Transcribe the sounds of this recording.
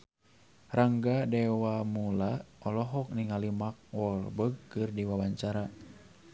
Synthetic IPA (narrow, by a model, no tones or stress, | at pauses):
raŋɡadɛwamulaɔlɔɦɔk̚niŋalimak̚wɔlbəɡ̚kɨrdiwawaɲt͡ʃaɾa